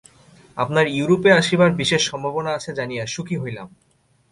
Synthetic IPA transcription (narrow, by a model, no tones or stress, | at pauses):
apnaɾuuɾopeaʃibaɾbiʃeʃːɔmbʱabonaat͡ɕʰed͡ʑanijaʃukʰiɦojla̰m